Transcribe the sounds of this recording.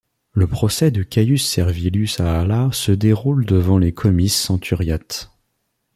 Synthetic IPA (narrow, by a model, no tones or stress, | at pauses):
ləpχɔsɛd̪əkʲajysːɛʁvilysaːlasəd̪eʁuld̪əvɑ̃lekʰɔmisːɑ̃t̪ʰyʁjat̪